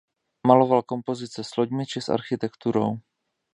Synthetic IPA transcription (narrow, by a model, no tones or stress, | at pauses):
malo̞valko̞mpo̞zɪt͡sɛsloɟmɪt͡ʃɪsʔa̰ɾxɪt̪ɛkt̪uɾo̞̰w